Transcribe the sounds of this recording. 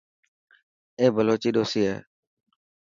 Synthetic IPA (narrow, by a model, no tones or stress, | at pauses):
eːbʱəloːt͡ʃiːɗ̪oːsiːɦɛ̰ː